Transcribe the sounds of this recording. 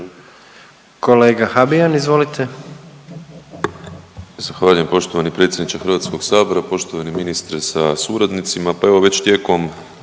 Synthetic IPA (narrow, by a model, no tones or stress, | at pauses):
ko̞leːɡaxabijanizʋo̞lit̪ʰe | zaxʋaːʎujempo̞ʃt̪o̞ʋanipɾe̞t̪sʲjed̪nit͡ʃ̪exr̩ʋat̪sko̞ɡsaːbo̞ɾapo̞ʃt̪oʋaniminist̪ɾesasuɾad̪nit̪simapae̞ʋo̞ʋe̞t͡ɕt̪je̞ko̞m